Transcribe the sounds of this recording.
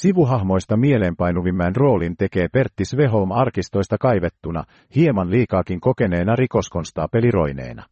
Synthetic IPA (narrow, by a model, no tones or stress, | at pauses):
siʋuɦɑhmo̞jst̪ɑmie̞leːmpɑjnuʋimːæːnro̞ːlint̪e̞ke̞ːpe̞rt̪ːisʋe̞ɦo̞lmɑrkist̪o̞jst̪ɑkɑjʋet̪ːunɑ̰ | hie̞mɑnliːkɑːkiŋko̞ke̞ne̞ːnɑriko̞sko̞nst̪ɑːpe̞liro̞̰jne̞̰ːnɑ̰